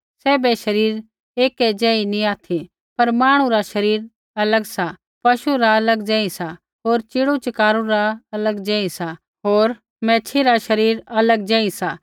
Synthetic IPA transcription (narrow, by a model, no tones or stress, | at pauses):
sɛːbɛʃɐɾiːɾ | eːkɛd͡ʒɛ̃ːinĩaːt̪ʰi | pɐɾmaːɽ̃ũɾaʃɐɾiːɾ | ɐləɡsa | pɐʃuɾaɐləɡd͡ʒɛ̃ːĩsa | ɦoːɾt͡ʃɪɽut͡ʃɪkaːɾũɾaɐləɡd͡ʒɛ̃ːĩsa | ɦoːɾ | mɛ̃ːt͡ʃʰiɾaʃɐɾiːɾɐləɡ̚d͡ʒɛ̃ːĩsa